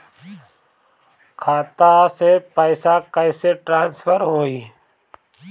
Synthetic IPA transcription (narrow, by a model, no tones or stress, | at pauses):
kʰaːt̪asepəɪsakəɪseʈɾãːnspʰəɾɦoːiː